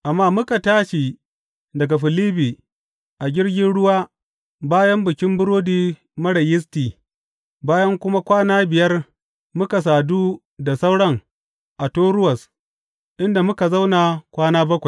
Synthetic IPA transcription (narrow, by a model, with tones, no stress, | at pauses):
ʔa˨mːaː˦mʊ˦ka˨taː˦ʃi˨ | dɐ˨ɡa˨ɸɪ˨liː˦biː˨ | ʔa˨ɡʲɪ˦rɡʲɪ˦nɽʊ˦waː˦ | baː˦jɐ˦mbʊ˨kʲɪ˦mbʊ˦ɾoː˦diː˨ | mɐ˦ɽɐ˨jɪ˦s̬tiː˨ | baː˦jɐ˦ŋkʷʊ˦ma˦kʷaː˦naː˦bɪ˨jɐ˦r | mʊ˦ka˨s̬aː˨duː˦ | da˨sa˦wɽɐ˦ŋ | ʔa˨toː˦ɽʊ˦wɐ˨s | ʔɪ˦nda˨mʊ˦ka˨za˦wna˨kʷaː˦naː˦bɐ˦kʷa˨j